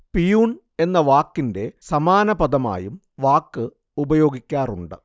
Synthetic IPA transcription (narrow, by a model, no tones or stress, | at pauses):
pijuːn | e̞nːɐʋaːkːinde̞sɐmaːnɐbɐd̪ɐma̰ːjum | ʋaːkːɨ | ubɐjo̞ːɡikʲːaːruɳɖɨ